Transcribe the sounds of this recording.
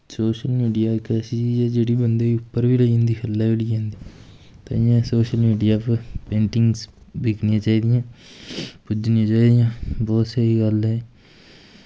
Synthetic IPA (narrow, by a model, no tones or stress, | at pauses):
soːʃəlmiːɖijaːkɛːsit͡ʃiːd͡ʒɛːd͡ʒeːɽiːbənd̪eːiʊpːəɾʋiːləiːɦə̃nd̪iːkʰəlːaːʋliːɦẽːnd̪iː | t̪a̰ːjãːsoːʃəlmiːɖijaːpəpẽːɳʈɪ̃ŋɡzbɪkʰnɪjãːt͡ʃaːiːd̪ɪjãː | pʊd͡ʒnɪjãːt͡ʃaːiːd̪ijãːbɔːt̪səiːɡəlɦɛː